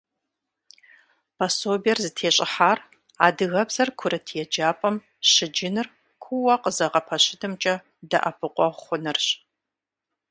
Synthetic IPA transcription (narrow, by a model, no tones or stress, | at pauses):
pʰɐsoːbijɛrzɨtʰeːɕʼɪħaːr | a̰ːdɨɣɐbz̥ɐrkʷʰʊɾɐtʰjɛd͡ʒaːpʼɐm | ɕɪd͡ʒɪnɨr | kʷʰʊwɐqʼəzɐʁɐpʰɐɕɪdʰɨmt͡ʃʼɐ | dɐ̰ʔɐpʰɨqʷʼɔʁχʷʊnɨrɕ